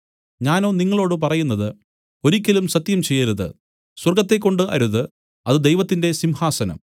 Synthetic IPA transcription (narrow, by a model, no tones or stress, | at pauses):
ɲaːno̞ːniŋːɐɭo̞ːɽɨp̬ɐrɐjunːɐðɨ | o̞ɾikʲːɐlumsɐt̪jɐmt͡ɕe̞jːɐɾuðɨ̰ | swɐrɡɐt̪ːe̞kːo̞ɳɖɨʔɐ̰ɾuðɨ | ɐðɨd̪e̞jʋɐt̪ːinde̞simhaːsɐnɐ̰m